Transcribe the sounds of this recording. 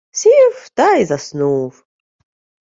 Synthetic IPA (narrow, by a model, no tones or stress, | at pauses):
sift̪ajizasnuːv